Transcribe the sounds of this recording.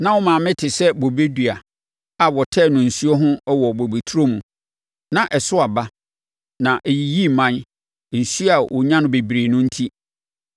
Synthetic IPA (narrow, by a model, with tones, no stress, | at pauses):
nã˦wɔ˦mã˨mɪ̃˦tʰɪ˨sɛ˦bo˨be˦dɥa˨ | a˨wɔ˨tʰɛː˦˨nʊ̃˨n̩˨su˦ɔ˦ɦʊ̃˦ɛ˦wɔ˨bo˨be˨tʰu˦ɾo˦mũ˨ | nã˨ʔɛ˨sʊ˦a˨ba˦ | nã˨ʔe˨ji˨ji˦˨mã˦n˨ | n̩˨su˦a˨wʔʊ˨ɲã˦nʊ̃˦be˨bɾeː˨nʊ̃˦n̩˦tʰi˦